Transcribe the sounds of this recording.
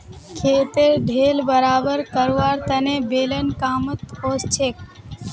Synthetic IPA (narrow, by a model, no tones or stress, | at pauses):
kʰeːt̪eɾɖʱeːlbəɾaːbəɾkəɾʋaːɾt̪ənebeːlənkaːmət̪oːst͡ʃʰek̚